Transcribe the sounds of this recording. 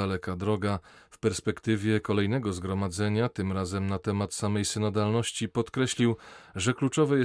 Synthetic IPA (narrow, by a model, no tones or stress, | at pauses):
alɛkad̪ɾɔɡafpɛɾspɛkt̪ɘvʲjɛkɔlɛjnɛɡɔzɡɾɔmad̪zɛɲat̪ɘmɾazɛmnat̪ɛmat̪samɛjsɘnad̪alnɔɕt͡ɕipɔt̪kɾɛɕlʲiwʐɛklut͡ʂɔvɛjɛ